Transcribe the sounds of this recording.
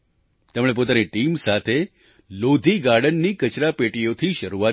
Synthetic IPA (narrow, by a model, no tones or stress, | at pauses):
t̪emɭ̃ep̬ot̪aniʈimsat̪ʰe | lod̪ʱiɡaɾɖənːikət͡ʃɾapeʈijot̪ʰiʃəɾua